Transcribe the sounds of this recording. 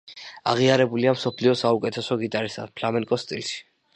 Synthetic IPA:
a̰ʁiaɾɛbuliamsɔpʰliɔsaukʼɛt̪ʰɛsɔɡit̪ʼaɾisa̰d̪̥pʰlamɛŋkʼɔst̪ʼilʃi̥

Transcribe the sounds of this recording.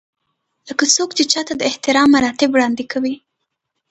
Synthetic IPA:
ləkasokt͡ʃet͡ʃɑt̪ad̪əɪht̪ɪɾɑmːaɾɑt̪ɪbwɽɑnd̪ɪkawi

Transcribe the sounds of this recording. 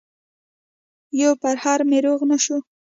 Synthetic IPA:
jawpaɾhaɾmeɾoɣnaʃu

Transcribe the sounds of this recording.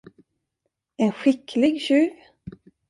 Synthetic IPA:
ɛnɧɪkʰlɪɡɕʉːv

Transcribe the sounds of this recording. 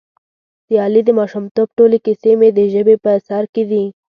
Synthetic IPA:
d̪̥əɑlid̪əmɑʃumt̪op̚ʈolekisemed̪əʒəbepəsɑɾked̪i

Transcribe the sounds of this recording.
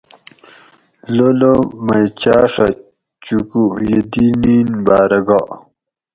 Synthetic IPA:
lolomɐjt͡ɕaːʂɐ | t͡ɕukujed̪ininbaːɾɐɡa

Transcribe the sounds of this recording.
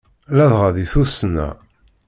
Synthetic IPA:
læðʁaðiθusnæ̰

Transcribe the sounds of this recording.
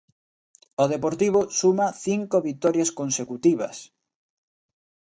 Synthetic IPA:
oðepoɾt̪iβosumɐθiŋkoβit̪ɔɾjaskonsekut̪iβɐ̰s

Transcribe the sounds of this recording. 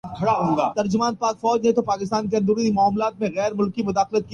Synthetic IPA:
kʰɐɽaɦõːɡaːt̪ɐɾd͡ʒʊmaːnpaːkfɔːd͡ʒnẽt̪opaːkɪst̪aːnk̬eɐ̃nd̪uɾuimʊaːmlaːt̪mẽɣɛːɾmʊlkimʊd̪aːxlət̪̚ki

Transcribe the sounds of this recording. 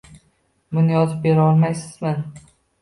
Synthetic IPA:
bʊnɪjɒzɪp̚be̞ɾɪɒlˠmajsɪz̥mɪn

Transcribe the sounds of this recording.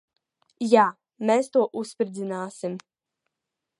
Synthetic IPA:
jaː | mest̪oːʔuspɾzinaːsim

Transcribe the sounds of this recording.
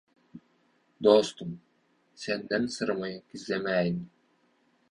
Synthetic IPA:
d̪oːst̪um | send̪ɛnsɯɾmɑjɯkizlemæːjin

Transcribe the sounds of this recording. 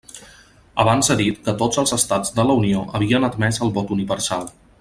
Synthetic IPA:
əβ̞anzəðit̪kət̪ozəlˠzəst̪ad͡zd̪ələunioʔəβ̞iənəd̪mɛzəlˠβɔt̪uniβəɾsalˠ

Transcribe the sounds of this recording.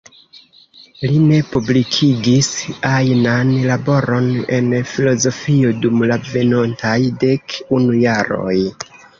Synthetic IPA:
line̞publikʰiɡisajnanlabo̞ɾo̞ne̞̰nfilo̞zo̞fio̞dumlave̞nontajde̞kunujaɾo̞̰j

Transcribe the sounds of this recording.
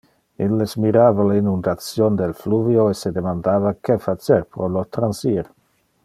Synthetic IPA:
ilːesmiɾaːvalainund̪at͡sjond̪elfluvjoesed̪emand̪aːvakefat͡seɾpɾolot̪ɾansiɾ

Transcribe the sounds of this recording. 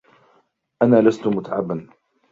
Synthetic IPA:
ʔanaːlast̪ʊmʊt̪aʕabːan

